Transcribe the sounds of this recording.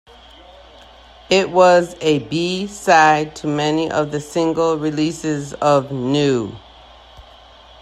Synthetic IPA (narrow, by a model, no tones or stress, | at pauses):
ɪʔ̚wʌzɨbisaɪd̚tʰɨmɛniʔʌ̰vðɨsɪ̃ŋɡl̩ˠɹilisɪzʌvnʉ